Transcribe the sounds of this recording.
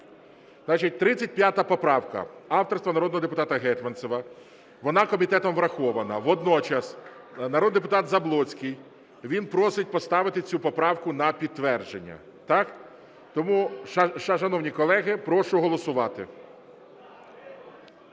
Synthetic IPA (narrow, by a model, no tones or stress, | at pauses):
znɑt͡ʃit̚ʲt̪ɾɪt͡sʲːɐt̚ʲpʲjat̪ɐpɔpɾɑwkɐ̰ɑwt̪ɔrst̪ʋɐnɐɾɔd̪nɔɦɔd̪epʊt̪ɑt̪ɐɦɛt̪ʲmɐnsɔʋɐ | ʋɔnɑkɔmʲit̪ɛt̪ɔmʋɾɐxɔʋɐnɐʋɔd̪nɔt͡ʃɐs | nɐɾɔd̪d̪ep̬ʊt̪ɑt̪zɐblˠɔt͡sʲkɪj | ʋʲinpɾɔsɪt̚ʲpɔst̪ɑʋɪt̪ɪt͡sʲupɔpɾɑwkʊnɐpʲid̪̚t̪ʋɛrd͡ʒenʲːɐ̰ | t̪ɑk | t̪ɔmuʃʃɐnɔwnʲikɔlˠɛɦɪpɾɔʃʊɦɔlˠɔsʊʋɑt̪ɪ